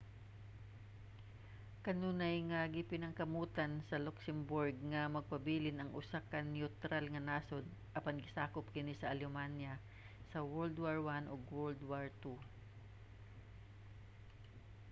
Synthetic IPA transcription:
kɐnuːnɐjŋɐɡɪpɪnɐŋkɐmuːt̪ɐnsɐloksɛmbʊɹɡ̚ŋɐmɐɡ̚pɐbiːlɪnɐŋʔʊsakɐnɪʊt̪ɾalŋɐnaːsod̪̚ | ʔɐpanɡɪsaːkop̚kɪnisɐʔɐljomanjɐ | sɐwɛld̪waɹwanʔoɡwɛld̪waɹt̪u

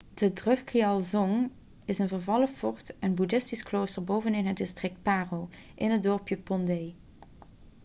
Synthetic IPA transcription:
d̥ədrɵxkiɑlˠzɔŋ | ɪsənvəɹvɑləfɔɹtɛnbudɪstiskloːstəɹbowvənɪnɦət̚dɪstrɪk̚t̚paːrowʔɪnɦədɔɹpjəpɔndej

